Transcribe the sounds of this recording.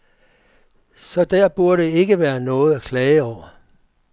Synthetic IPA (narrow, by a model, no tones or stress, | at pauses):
sɒ̽d̥æɐ̰b̥uɐɾe̝e̝ɡ̥əʋæːɐnɔ̽ːð̞̩ˠækʰlɛːɪəɒʊ̰ɐ